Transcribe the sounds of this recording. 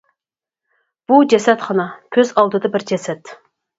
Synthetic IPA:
b̥ud͡ʒɛsɛt̪χɑnɑkʲʰøzɑlˠd̪ɨd̪ɑbɪɾd͡ʒɛsɛt̪

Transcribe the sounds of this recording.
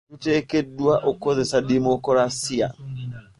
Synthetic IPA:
utekedwaʔokozesademokoɾasia̰

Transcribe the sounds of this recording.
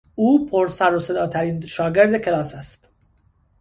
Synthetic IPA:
uːpʰoɾsæɾose̞d̪ɒːt̪ʰæɾiːnʃɒːɡe̞ɾd̪e̞cʰe̞lɒːsæst̪

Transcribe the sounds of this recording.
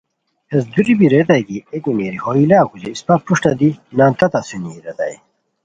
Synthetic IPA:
esd̪uɾibiɾet̪ɐjɡiekimeɾihoːilaːkud͡ʑeispapuʂʈɐd̪inãːnt̪ɐt̪ɐsuniɾet̪a̰j

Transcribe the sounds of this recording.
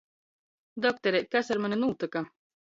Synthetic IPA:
d̪ɔk̚t̪eɾekasaɾmanʲenuːt̪aka

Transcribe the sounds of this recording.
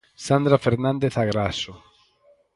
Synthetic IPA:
sand̪ɾafeɾnãnd̪eθaɣɾaso

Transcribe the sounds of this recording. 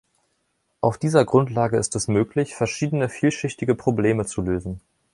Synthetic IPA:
ʔaʊfd̥iːzɐɡʁʊntlaːɡəɪstɛsmøːklɪçfɛɐʃiːdənəfiːlʃɪçtɪɡəpʁ̥obleːmət͡suløːzn̩

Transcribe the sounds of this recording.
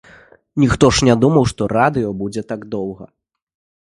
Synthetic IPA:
nʲixt̪ɔʂnʲad̪umɐwʂt̪ɔrad̪ɨjɔbud͡zʲɛt̪aɡd̪ɔwɣɐ̰

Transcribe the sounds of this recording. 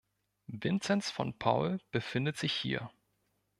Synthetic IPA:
vɪnt͡sɛnsfɔ̰npʰa̰ʊlb̥əfɪndətz̥ɪçhḭːɐ

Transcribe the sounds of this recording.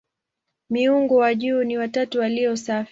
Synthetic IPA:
miuŋɡɔwaʄuːniwatatuwaliɔsaf

